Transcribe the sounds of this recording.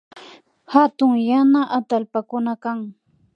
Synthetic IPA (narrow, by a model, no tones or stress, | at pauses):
hat̪ʊŋjanaʔat̪alpakʊnakaŋ